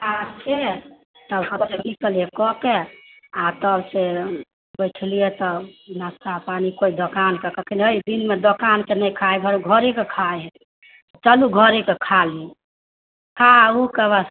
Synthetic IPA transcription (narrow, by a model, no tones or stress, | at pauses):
at͡ʃʰe | t̪əbsəbsenikəliekɔke | at̪əbse | bəjʈʰlijet̪ɔnast̪apanikoid̪okankekəkʰinəid̪inmed̪okankenəjkʰajbʱaɾuɡʱəɾekekʰaj | t͡ʃəluɡʱəɾekekʰali | kʰaukebas